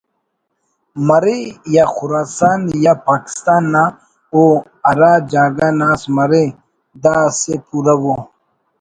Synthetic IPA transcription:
mɐɾijaxʊɾaːsaːnjapaːki̥st̪aːnːa | o | ɐɾad͡ʒaːɡanaːsmɐɾe | d̪aːsepuɾɐwo

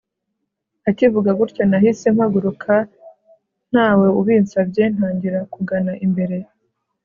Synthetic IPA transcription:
acivuɡaɡuɾco̞nahise̞m̥haɡuɾukʰa | n̥haːwe̞uβiːnsabɟen̥haːɲɟiɾakuɡanaʔimbe̞ɾe̞

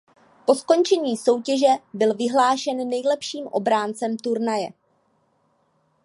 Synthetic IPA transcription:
po̞sko̞nt͡ʃɛɲiːso̞wcɛʒɛbɪlvɪɦlaːʃɛnːɛjlɛpʃiːmʔo̞̰bɾaːnt͡sɛmt̪uɾnajɛ

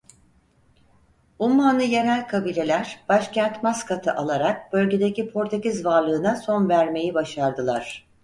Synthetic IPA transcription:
umːanɯjeɾælʲkʰabiːlʲe̞lʲæɾ̥b̥aʃcænt̪maskʰat̪ʰɯʔalˠaɾak̚b̥ø̞lʲɟe̞d̪ecipʰo̞ɾt̪ʰecizvaɾlˠɯːnaso̞nvæɾme̞jibaʃaɾd̪ɯlˠaɾ̥

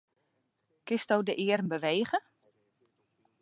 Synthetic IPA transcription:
kɪstowdəʔɪːərənbəʋeːɣə

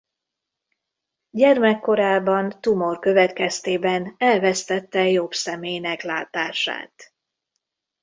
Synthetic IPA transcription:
ɟɛrmɛkːo̞ɾaːbɒnt̪umo̞rkø̞vɛt̪kɛst̪eːbɛnɛlvɛst̪ɛt̪ːɛjobsɛmeːjnɛklaːt̪aːʃa̰ːt̪

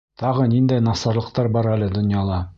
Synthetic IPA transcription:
t̪ɑʁɤnind̪æjnɑsɑɾlˠɤ̆q̚t̪ɑɾbɑɾælɘd̪ŏnjɑlˠɑ

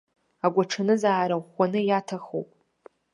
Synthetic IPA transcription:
aɡʷaʈ͡ʂʰanɨzaːɾaχʷanɨjatʰaχo̰wpʼ

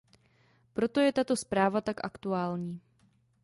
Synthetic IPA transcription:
pɾo̞t̪o̞jɛt̪at̪o̞spɾaːvat̪akʔa̰kt̪uaːlɲiː

